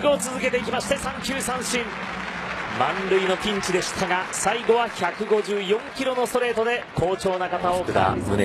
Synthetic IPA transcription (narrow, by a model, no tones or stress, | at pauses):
ɡot͡sɨzɨke̞t̪e̞ik̬ʲimaɕi̥t̪e̞sãŋkʲɨːsãɰ̃ɕĩm | mãnɾɯ̟ino̞pʲĩɲ̟t͡ɕid̪e̞ɕi̥t̪ʰaɡasaiɡo̞βaçakɯ̟ɡo̞ʑɨːjõ̞ŋkʲiɾo̞no̞st̪o̞ɾe̞ːt̪o̞d̪e̞kʰo̞ːt͡ɕo̞ːnakat̪aot̪a̰ɯ